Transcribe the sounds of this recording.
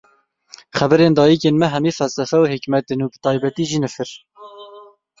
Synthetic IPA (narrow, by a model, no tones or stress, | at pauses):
χɛbɨɾeːnd̪ɑːjikeːnmɛɦɛmiːfɛlsɛfɛuhikmɛt̪enuːbə̥t̪ʰɑːjbɛt̪iːʒiːnɨfɨɾ